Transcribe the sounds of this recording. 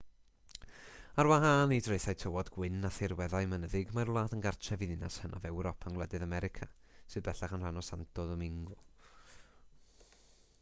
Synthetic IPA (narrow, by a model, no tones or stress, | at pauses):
arwaɦaːnidrejθajtʰɔwɔdɡwɪnaθɪrwɛðajmənəðɪɡmaɾlˠaːtʰənɡart͡ʃʰɛviðɪnashəna̰vɛwɾɔpʰanwlˠɛdɨðamɛɾɪkʰasɨðbɛɬaχanranɔsantɔðɔmɪŋɡʊ